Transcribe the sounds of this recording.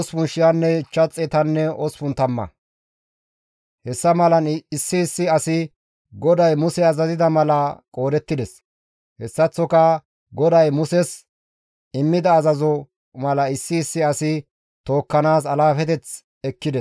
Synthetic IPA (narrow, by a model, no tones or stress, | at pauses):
spʊnʃɪjɐnːɛɪt͡ʃːɐt͡sʼːɛt̪ɐnːɛɔsfʊnt̪ɐmːɐ̰ | hɛsːɐmɐlɐnɪsːɪːsːɪɐsɪ | ɡɔd̪ɐjmʊsɛɐzɐzɪd̪ɐmɐlɐkʼo̞ːd̪ɛt̪ːɪd̪ɛs | hɛsːɐt͡sːɔkɐ | ɡɔd̪ɐjmʊsɛs | ɪmːɪd̪ɐːzɐzɔ | mɐlɐɪsːɪːsːɪɐsɪ | t̪o̞ːkːɐnaːs̬ɐlaːfɛt̪̬ɛt͡s | ɛkːɪd̪ɛs